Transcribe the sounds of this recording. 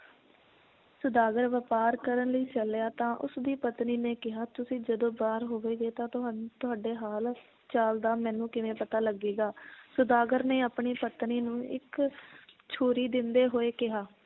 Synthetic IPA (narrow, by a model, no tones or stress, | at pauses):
sʊd̪aːɡəɾʋəpaːɾkəɾənləiːt͡ʃəljaːt̪ãːʔʊ̰sd̪iːpət̪niːneːkɪɦaːt̪ʊsĩːd͡ʒəd̪õːbaːɾɦoːʋeːɡeːt̪ãːt̪ʊɦat̪ʊaːɖeːɦaːl | t͡ʃaːld̪aːmɛ̃ːnũːkɪʋẽːpət̪aːləɡiːɡaːsʊd̪aːɡəɾneːaːpɳiːpət̪niːnũːʔɪ̰k | t͡ʃʰoːɾiːd̪ɪnd̪eːɦoːeːkɪɦaː